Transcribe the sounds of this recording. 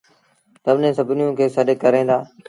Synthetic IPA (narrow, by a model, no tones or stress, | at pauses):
səbnẽːsəbʱnɪjõːkʰeːsəɗək̚kːəɾẽːd̪aː